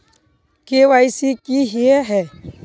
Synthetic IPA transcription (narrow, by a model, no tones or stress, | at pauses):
kewaisikiɦiɛɦɛ